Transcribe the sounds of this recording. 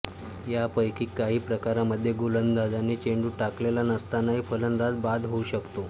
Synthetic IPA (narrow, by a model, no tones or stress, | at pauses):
japəjkʰiːkːaɦiːpɾəkaɾaməd̪ʱːjeɡulənd̪ad͡zanːiːt͡ɕeɳɖuːʈaklelanəst̪anaɦiːfələnd̪ɾad͡zbad̪ɦouɕəkt̪o